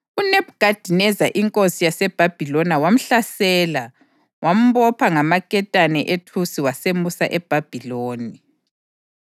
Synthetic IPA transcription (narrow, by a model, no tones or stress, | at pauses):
uneb̚ʱɡ̥ad̥ʱinɛzaʔiŋkʼosijasɛb̥ʱab̥ʱilɔnawam̩ɬasɛːla | wʔam̩βɔpʰaŋamakʼɛtʼanɛʔetʰusiwasemusaʔɛb̥ʱab̥ʱiloːni